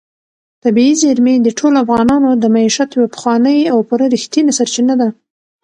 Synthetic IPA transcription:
t̪abiizeɾmed̪əʈʰolafɣɑnɑnod̪əmaiʃat̪jwapə̥xwɑnəjawpuɾaɾixt̪jinasaɾt͡ʃinad̪a

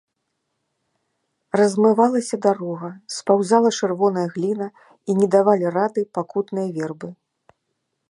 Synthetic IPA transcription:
rɐzmɨvalˠɐsʲɐd̪aɾɔɣɐspawzalˠɐt͡ʂɨrvɔnɐjɐɣlʲinɐ | inʲɛd̪avalʲirad̪ɨpakut̪nɨjɐvʲɛrbɨ

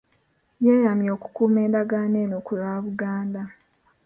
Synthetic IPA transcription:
jeːjamjoːku̥kuːme̞ːndaɡaːne̞ːnokulaːβuɡaːnda

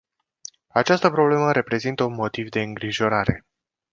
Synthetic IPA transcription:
at͡ʃast̪əpɾo̞ble̞məɾe̞pɾe̞zint̪əunmo̞t̪ivd̪e̞ɨŋɡɾiʒo̞ɾaɾe̞

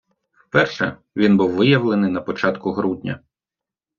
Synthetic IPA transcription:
wpɛrʃɛ̰ | ʋʲinbuwʋɪjɐwlˠenɪjnɐpɔt͡ʃɑt̪kʊɦɾudʲnʲɐ̰

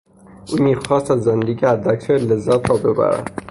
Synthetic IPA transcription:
ʔuːmiːxɑːst̪æzːend̪eɡiæd̪æk̚t̪ʰæɾlezːæt̪ʰɾɒːbebæ̰ɾæ̰d̪

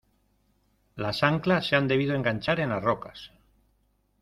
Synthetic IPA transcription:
lasaŋklasːeand̪e̞β̞iðoe̞ŋɡaɲt͡ʃaɾe̞nazrokas

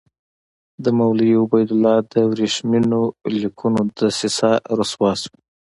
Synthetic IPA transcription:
d̪əmawliʊbajd̪ʊlɑd̪əwɾeʃminolikʰunod̪əsɪsɑɾoswɑswi

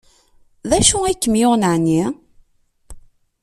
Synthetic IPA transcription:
ðæʃuikːəmjʊʁnəʕni

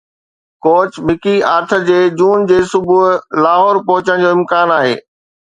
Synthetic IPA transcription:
koːt͡ɕmɪkiaːɾt̪ʰə̆d͡ʑeːd͡ʑuːnd͡ʑeːsʊbʱuɦlaːɦɔːɾpɔɦʊt͡ɕəɽ̃d͡ʑoːɪ̃mkaːnaːɦḛː

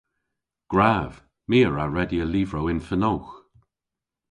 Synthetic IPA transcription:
ɡ̥ɹaːv | miːəɹaɹɛdiəliːvɹowɪnfənowx

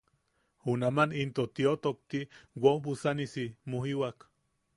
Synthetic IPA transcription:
unamanint̪ot̪iot̪ok̚t̪iwobusanisimoɦiwak

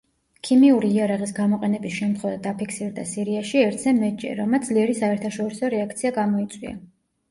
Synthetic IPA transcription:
kʰimiuɾiːaɾaʁʼisɡamɔqʼɛnɛbisʃɛmt̪ʰχwɛvad̪apʰikʰsiɾd̪a̰siɾiaʃiɛɾt̪ʰsɛmɛt͡ʃʼɛ̰ɾɔmad̪z̥liɛɾisaɛɾt̪ʰaʃɔɾisɔɾɛak̚t̪sʰiaɡamɔit̪sʼwḭa̰

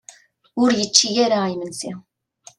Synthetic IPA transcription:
ʊɾjət͡ʃːijæɾæajmənsi

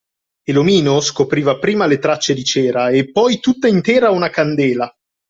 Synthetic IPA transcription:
elomiːnoskopɾiːvapɾiːmalet̪ɾat͡ʃːed̪it͡ʃɛːɾaepːɔjt̪ut̪ːaint̪ɛːɾaunakand̪ɛːla

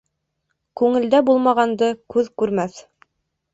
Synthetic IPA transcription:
kʉŋɘ̆ld̪æbulˠmɑʁɑnd̪ɤkʉðkʉɾmæθ

